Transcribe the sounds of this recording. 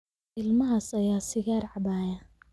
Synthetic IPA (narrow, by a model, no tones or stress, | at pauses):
ɪlmɐɦaːsɐjaːsɪɣaːrʕɑbaːja